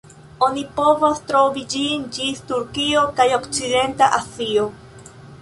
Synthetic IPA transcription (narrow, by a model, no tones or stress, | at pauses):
o̞nipo̞vostɾo̞vid͡ʒind͡ʒistuɾkio̞kajo̞kt͡side̞ntaʔasio